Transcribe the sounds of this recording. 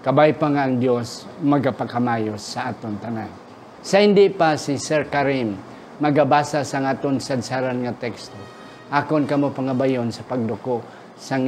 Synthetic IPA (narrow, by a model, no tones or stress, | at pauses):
kɐbajpaŋaːŋd̪josmɐɡapakamaːjosːaʔaːt̪ont̪ɐnan | sɐhɪnd̪ɪpasisɛɹkaɾimː | ɐɡabaːsasaŋaːt̪oŋsad̪saɾanŋat̪ɛkst̪o | ʔaːkonkɐmopɐŋabajonsɐpɐɡ̚d̪ʊkoʔ | saŋ